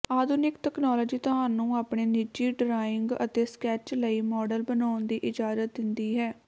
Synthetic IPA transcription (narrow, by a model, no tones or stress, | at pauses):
aːd̪ʊnɪkʈ̪ɛknɔːlɔːd͡ʒiːt̪oɦaːnːũːaːpɳeːnɪd͡ʒiːɖɾaːɪŋɡə̰t̪eːskɛːt͡ʃləiːmɔːɖəlbənaːʊnd̪iːʔɪd͡ʒaːzət̪̚d̪ɪnd̪iːɦɛː